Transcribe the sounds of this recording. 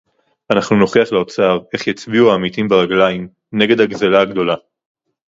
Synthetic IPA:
anaχnuno̞χiaχleo̞t͡saʁe̞χjat͡sbiuaːmitimbeʁaɡlaim | ne̞ɡe̞d̪haɡzelaːɡdo̞la

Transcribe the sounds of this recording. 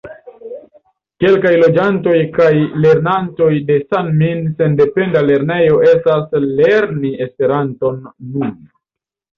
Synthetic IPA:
ke̞lkajlo̞d͡ʒanto̞jkajle̞ɾnanto̞jde̞sanminse̞nde̞pe̞ndale̞ɾne̞jo̞ʔe̞stasle̞ɾnie̞spe̞ɾanto̞nːun

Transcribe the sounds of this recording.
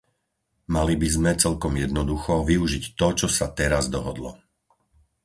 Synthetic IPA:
malibizmɛt͡sɛlkɔmjɛd̪nɔd̪uxɔʋiuʒict̪ɔt͡ʃɔsat̪ɛɾazd̪ɔɦɔd̪lɔ̰

